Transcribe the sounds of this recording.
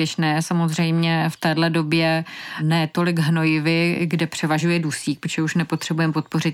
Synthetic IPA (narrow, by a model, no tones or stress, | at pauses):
jɛʃnɛːsamo̞zrɛjmɲɛft̪ɛːdlɛdo̞bjɛnɛːt̪o̞lɪɡɦno̞jɪvɪɡdɛpr̝̥ɛvaʒujɛdusiːk̚pɾo̥t͡ʃʒɛuʃnɛpo̞t̪r̥ɛbujɛmpo̞t̪̚po̞rɪt̪